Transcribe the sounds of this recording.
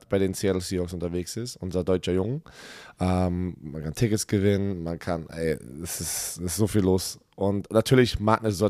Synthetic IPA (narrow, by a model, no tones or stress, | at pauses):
tb̥aɪɾeːnt͡seɛlsiːɔksʊntɐveːksɪstʔʊnzɐdɔʏt͡ʃɐjʊŋəʔɛmmankʰantʰɪkətsɡ̥əvɪnənmankʰanʔɛ̰ɪɛsɪsɪstz̥oːfiːlːoːs | ʔʊntnatʰyːɐlɪçmaːk̚nəzoː